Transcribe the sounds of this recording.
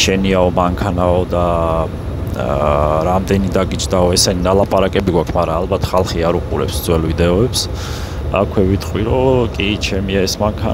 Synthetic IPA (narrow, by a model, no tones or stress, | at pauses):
ʃɛniaɔmaŋkʰanaɔd̪a | ɾamd̪ɛnid̪aɡid͡ʒd̪aɔɛsɛninalˠapʼaɾakʼɛbiɡwakʰmaɾaːlbat̪ʰχalˠχiaɾuqʼṵɾɛ̰psd̪zʼwɛlvid̪ɛɔɛps | a̰kʰwɛvit̪ʰʼqʼwiɾɔkʼit͡ʃʰɛmiaɛsmaŋkʰa